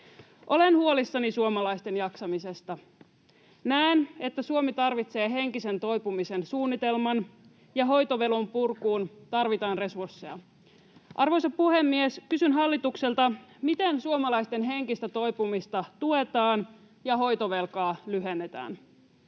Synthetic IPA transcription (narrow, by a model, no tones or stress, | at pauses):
ʔo̞lenhuolisːɑnisuomɑlɑijst̪e̞njɑksɑmise̞st̪ɑ | næene̞t̪ːæsuomit̪ɑrʋit̪se̞ːɦe̞ŋkise̞nt̪o̞jpumise̞nsuːnːit̪e̞lmɑn | jɑɦo̞jt̪o̞ʋe̞lompurkuːnt̪ɑrʋit̪ɑːnre̞sursːejɑ̰ | ʔɑrʋo̞jsɑppuhe̞mːieskysynɦɑlːit̪ukse̞lt̪ɑmit̪ensuomɑlɑjst̪e̞nɦe̞ŋkist̪æt̪o̞jpumist̪ɑt̪ue̞t̪ɑːn | jɑɦo̞jt̪oʋe̞lkɑːlyɦenːet̪æ̰ːn